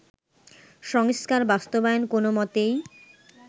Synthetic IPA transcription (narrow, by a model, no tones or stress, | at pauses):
ʃɔŋskaɾbast̪obaenkonomɔt̪ej